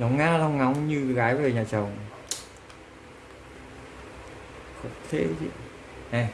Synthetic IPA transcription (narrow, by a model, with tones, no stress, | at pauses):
la˨˦wŋ͡mŋaː˧la˧wŋ͡mŋa˨˦wŋ͡mɲɨ˧ɣaː˨˦jve˨˩ɲaː˨˩t͡ɕə˨˩wŋ͡m | xo˧˩t̪ʰe˧˦t͡ɕḭ˧˨ | ʔɛ˨˧˩